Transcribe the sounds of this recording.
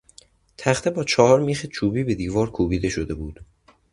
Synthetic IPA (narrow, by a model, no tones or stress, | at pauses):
t̪ʰæxt̪ʰebɒːt͡ʃʰɒːhɒːɾmiːxet͡ʃʰuːbiːbe̞d̪iːvɒːɾkʰuːbiːd̪e̞ʃod̪e̞buːd̪̥